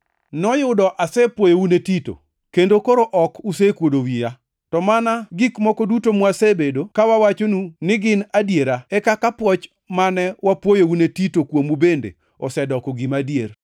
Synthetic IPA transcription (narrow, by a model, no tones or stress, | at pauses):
nɔjʊdɔʔasɛpwojounetito̰ | kendokoɾoʔɔkusekwodowija | tɔmanaɡɪkmɔkɔdutomwasebedokawawat͡ʃonunɪɡɪnadjeɾaɛkakapwɔt͡ʃ | manɛwapwojounetitokwomubendḛ | ɔsɛdɔkɔɡɪmadjer